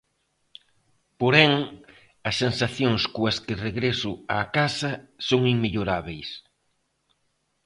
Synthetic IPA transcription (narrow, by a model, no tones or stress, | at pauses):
poɾɛŋ | ɐsːensaθjoŋskuɐskɪreɣɾesʊaːkasɐsoŋiŋmeʎoɾaβejs